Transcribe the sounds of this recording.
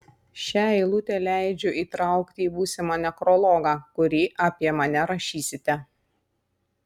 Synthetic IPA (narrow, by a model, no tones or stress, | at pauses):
ʃʲæɛɪlˠʊt̪ʲɛlʲæˑɪd͡ʒʲʊʔiːt̪ɾɑˑʊkt̪ʲɪːbuːsʲɪmɑːnʲɛkɾɔlˠɔːɡɑːkʊɾʲiːʔɐpʲiɛmɐnʲɛɾɐʃʲiːsʲɪt̪ʲɛ